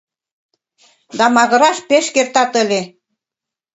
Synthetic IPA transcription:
d̪ɑmɑɣə̆ɾɑʃpeʃkert̪ɑt̪ə̆lʲe

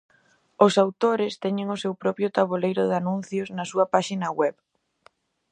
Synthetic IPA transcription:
ʊsawt̪oɾɪst̪ɛɲɪŋʊsewpɾɔpɾjʊt̪aβolejɾʊðɪanũn̟θjʊznɐsuɐpaʃinɐwɛβ

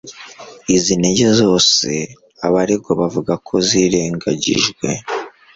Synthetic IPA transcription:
izineɟe̞zo̞ːse̞ | aβaɾeɡoβavuɡakʰo̞ziɾe̞ːŋɡaɟḭʒɡwe̞̰

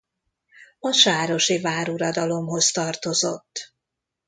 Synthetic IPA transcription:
ɒʃaːɾo̞ʃivaːɾuɾɒd̪ɒlo̞mɦo̞st̪ɒrt̪o̞zo̞̰t̪ː

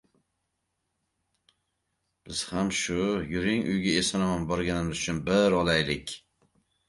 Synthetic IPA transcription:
b̥ɪz̥hamʃʊjʊɾɪŋʔʊ̰jɡʲaesɒnamanbɒɾɡʲanɪmɪzʊt͡ʃʰʊnbɪɾɒlajlɪkʲ

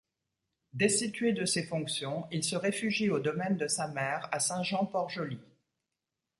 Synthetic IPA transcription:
d̪esit̪ɥed̪əsefɔ̃ksjɔ̃ilsəʁefyʒiod̪ɔmɛnd̪əsamɛːʁasɛ̃ʒɑ̃pɔʁʒəli

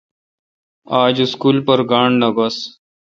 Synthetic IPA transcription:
aːd͡ʑɪskuːlpɐɾɡaːɳɖnɐbɐs

